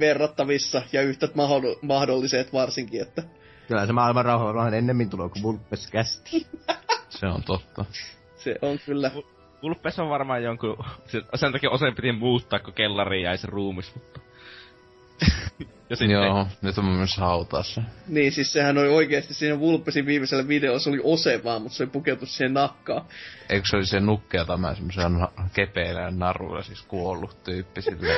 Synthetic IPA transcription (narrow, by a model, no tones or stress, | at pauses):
ʋerːɑt̪ːɑʋisːɑjɑyht̪æt̪mɑhomɑhdolːiset̪ʋɑrsiŋkiet̪ːæ | kylhæsemɑːilmɑrrɑˑuhɑʋɑrmɑhɑnenːemːint̪uloːkuʋulpːeskæst̪i̥ː | seo̰nt̪ot̪ːɑ | sḛʔoŋkylːæ | ʋulpˑːesoʋʋɑrmɑːjjoŋkusisent̪ɑkiːʔosempit̪immuːt̪ːɑːkkukelːɑriːjæiseruːmismut̪ːɑ̥ | jɑsijoːnyt̪ommyøshɑˑut̪ɑːˑsːɑniːnsissehænolioikeɑst̪issiːnæʋulpːesiʋʋiːmeselːæʋideolːɑsoliʔoseʋˑɑːmmut̪seolipuket̪ːussiːhennɑkːɑːeˑikseolisenukːeɑt̪ɑmæ̰nsemːoselːɑnɑkepelæ̰nnɑrṵlːɑ̰siskuolːut̪yːpːisilːæ